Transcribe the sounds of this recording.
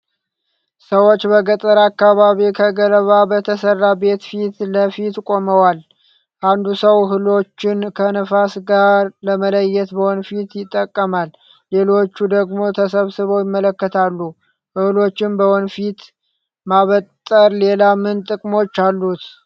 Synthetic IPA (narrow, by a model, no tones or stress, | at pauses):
səwo̞t͡ʃːbəɡət̪ʼəɾakːaβaβikʰəɡələβabət̪ʰəsərːabe̞t̪fit̪ləfit̪kʼo̞məwal | ʔand̪usəwɦɨlo̞t͡ʃːɪnkʰənəfasɡaɾləmələjːɛt̪bəwɔnfit̪jɪt̪ʼːəkʼːəmalː | e̞lo̞t͡ʃːud̪əɡmo̞t̪ʰəsəβsɨβowjɪmːələkːət̪ʰalːu | ʔɨhɨlo̞t͡ʃːɪnbəwɔnfit̪ | maβət̪ʼːəɾle̞lamɨnt̪ʼɨkʼmo̞t͡ʃːalːut̪